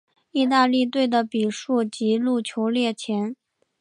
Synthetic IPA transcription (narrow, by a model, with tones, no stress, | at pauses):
i˥˧t̪a˥˧li˥˧t̪̬we˥˩ɪd̪ə˩pi˨˩ʂu˥˩t͡ɕi˧˥lu˥˩t͡ɕʰjo˧˥ʊljɛ˥˩t͡ɕʰjɛ˧˥n